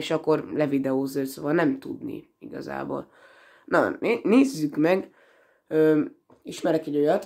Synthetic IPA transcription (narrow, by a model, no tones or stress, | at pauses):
eʃɒkːo̞rlɛvid̪ɛoːzøːlsoːvɒlnɛmt̪ud̪nḭ | iɡɒ̰za̰ːbo̰ːl | nɒ̰neneːzːykmɛɡ | øː | iʃmɛɾɛkɛɟo̞jɒt̪